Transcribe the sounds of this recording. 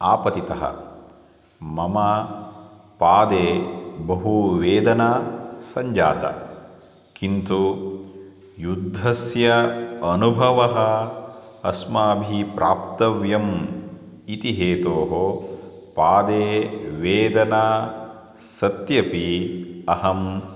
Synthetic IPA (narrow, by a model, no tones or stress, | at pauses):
aːpɐt̪it̪ɐɦɐ̰ | mɐma | paːd̪eːbɐɦuʋeːd̪ɐnaːsɐɲd͡ʒa̰ːt̪ɐ̰ | kint̪u | jud̪ʱːɐsjɐɐnubʱɐʋɐɦɐ | ɐsmaːbʱipɾaːp̚t̪ɐʋjɐm | it̪iɦeːt̪oːɦo | paːd̪eːʋeːd̪ɐnaː | sɐt̪jɐpiɐɦɐm